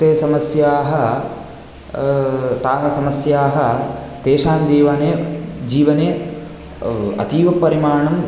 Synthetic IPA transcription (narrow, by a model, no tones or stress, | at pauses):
t̪eːsɐmɐsjaːɦɐ | t̪aːɦɐsɐmɐsjaːɦɐt̪eːʃaːnd͡ʒiːʋɐːneːd͡ʒiːʋɐne | ɐ̰t̪iːʋɐpːɐɾimaːɳɐm